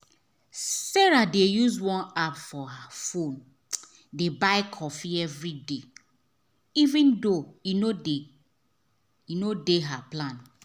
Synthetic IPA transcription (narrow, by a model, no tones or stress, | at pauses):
sɛɹadejuswɔ̃napfɔhafõn | debaɪkʰɔfiɛvɹide | ivĩndoinode | inodeɦaplãn